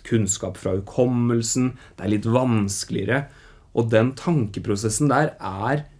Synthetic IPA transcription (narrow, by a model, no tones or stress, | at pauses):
kʰʉnskɑ̰ːpfɾɑ̰ʉkʰɔmːəlsn̩d̪̥ɛæɾɭɪt̪ːʋɑnsklɪ̰əɾə | ʔɔd̪ɛnt̪ʰɑŋkəpʰɾʊsɛsːn̩d̪æːɾæɾ